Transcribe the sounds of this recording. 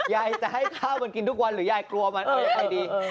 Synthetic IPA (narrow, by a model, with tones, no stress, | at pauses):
ja˨˩jt͡ɕa˨˩ɦa˥˩jkʰaː˥˩wma˧nki˧nt̪ʰu˦˥˩k̚wa˧nɾɯː˩˦jaː˧˩jklu˧ɐma˧nː˧˩˧ʔa˧˩jdiː˧